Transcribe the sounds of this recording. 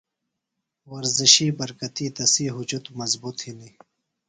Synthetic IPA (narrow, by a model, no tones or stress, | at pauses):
wɐɾziɕiːbɐɾkɐt̪iːd̪ɐsiːɦʊd͡ʒut̪umɐzbut̪hini